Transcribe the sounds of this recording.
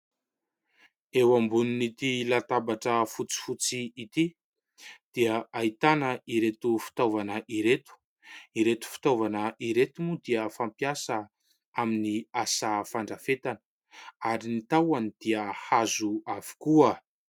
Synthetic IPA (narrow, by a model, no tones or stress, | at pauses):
ewambuninit̪ilat̪abaʈ͡ʂəfut͡si̥fut͡siit̪i | d̪̥iəait̪anəiɾet̪ufi̥t̪ovanəʔiɾet̪u̥ | iɾet̪u̥fi̥t̪ovanəʔiɾet̪umud̪iəfampiasə | aminiasafaɳɖ͡ʐafet̪anə | aɾinit̪awanid̪̥iəhazuavi̥kuə